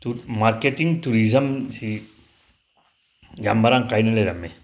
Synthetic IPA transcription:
tumaɾket̪iŋt̪uɾizəmsi | jambaɾaŋkajneleɾame

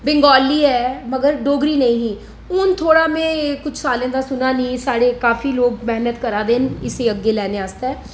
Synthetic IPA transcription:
bɪ̃ŋɡɔːliːɦɛːməɡəɾɖoːɡɾiːnɐĩːɦĩː | ʊnt̪ʰoːɽaːmẽːkʊt͡ʃʰsaːlẽːd̪aːsʊnaːnĩːsaːɽeːkaːfiːloːɡ̚mɛɦnət̪kəɾaːd̪eːnɪseːəɡeːlɛːneaːst̪aɛː

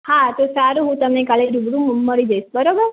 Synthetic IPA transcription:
hãt̪osaɾuɦũt̪əmnekaleɾubɽũməɾid͡ʒajʃbəɾobəɾ

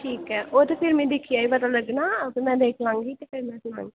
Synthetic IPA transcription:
ʈʰiːkɛːʔoːt̪eːpʰɪɾmɛ̃ːd̪ɪkʰːijaːipət̪aːləɡnaːpːmɛ̃ːd̪eːkʰlãːŋɡiːt̪eːpʰɪɾmɛ̃ːsʊnã̰ːŋɡi

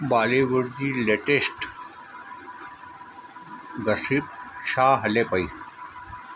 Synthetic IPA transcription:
baːleːwɐɾd̪ileːʈesʈ | ɡɐsip̚ɕaːɦɐlepɐi

